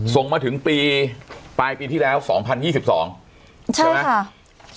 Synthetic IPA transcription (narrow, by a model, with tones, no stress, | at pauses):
so˨˩ŋmaː˧t̪ʰɯ˩˦ŋpiː˧paː˧jpiː˧t̪ʰiː˥˩lɛː˦˥wsɔ̰ː˩˦ŋpʰa˧njiː˥˩si˨˩p̚sɔ̰ː˩˦ŋ | t͡ɕʰa˥˦˥jm˦˥kʰa˥˩